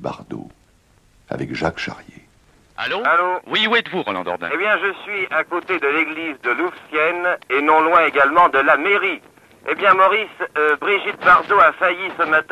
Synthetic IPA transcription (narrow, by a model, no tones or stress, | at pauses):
ba̰ʁd̪o̰ | a̰vɛkʒakʃa̰ʁjḛ | a̰loalowiuɛt̪vuʁɔlɑ̃d̪ɔ̰ʁd̪ɛ̰̃ebjɛ̃ʒəsɥiakot̪ed̪əleɡlizd̪əlufsjɛnenɔ̃lwɛ̃eɡalmɑ̃d̪əlameʁi | ebjɛ̃mɔʁisbʁiʒit̪̚baʁd̪oafajisəmat̪